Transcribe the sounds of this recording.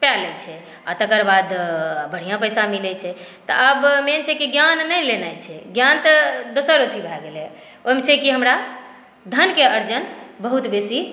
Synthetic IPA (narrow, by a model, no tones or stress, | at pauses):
palɛt͡ʃʰɛ | at̪əkəɾbad̪bəɽ̤ijãpəjsamilɛt͡ʃʰɛt̪ɔ̰ʔəbment͡ʃʰɛkiɡjanːəjlenajt͡ʃʰɛɡjant̪əd̪osəɾot̪ʰibʱɛɡelɛ | oɦimet͡ʃʰɛkiɦəmɾa | d̪ʱənkeəɾd͡ʒənbəɦut̪besi